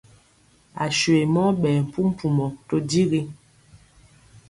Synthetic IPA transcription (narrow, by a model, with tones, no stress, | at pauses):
a˨ʃe˨mɔ˦ɓɛː˨m̩˨pu˦m̩˦pu˨mɔ˨to˦di˦ɣi˦